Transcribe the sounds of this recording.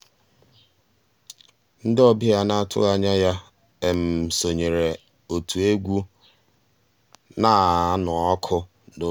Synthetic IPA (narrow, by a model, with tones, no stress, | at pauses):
n̩˦dɪ˦ɔ˦bɪ˦ja˦na˦tʰʊ̰˦ɣa˦ɲa˦ja˦ | e˨m̩˨so˨ɲe˨ɾe˨ | o˨tʰu˨e˦ɡʷu˦ | na˦˨˦nʊ˨ɔ˦kʰʊ˦ | do˦